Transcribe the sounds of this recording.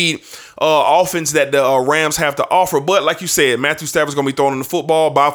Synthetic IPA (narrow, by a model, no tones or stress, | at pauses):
i | ʔʌɔfɨ̃nsðɨt̪̚ðiʌɹæ̃mz̥hæftəʔɔfə˞bʌt̚laɪkjɨsɛd̚mæθjʉstævəzɡʌ̃nəbiθɹɔ̃ʊ̃nɨ̃nðəfʊt̚b̥ɔlˠbaɪ